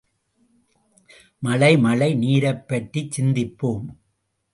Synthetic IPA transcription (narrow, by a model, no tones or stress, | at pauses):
mɐlɐɪmɐlɐɪniːɾɐpːɐʈːit͡ʃɪnd̪ɪpːoːm